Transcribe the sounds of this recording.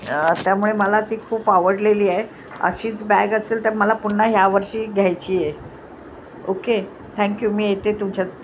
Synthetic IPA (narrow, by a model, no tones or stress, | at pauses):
t̪jamuɭeməlat̪iːkʰuːpaʋəɽleliːae | ə̰ɕiːt͡sbæɡəselt̪əɾməlapuɳːəɦjaʋəɾɕiːɡʱjajt͡ɕiːje | oke | t̪ʰæ̃ŋkjumiːjet̪et̪umt͡ɕa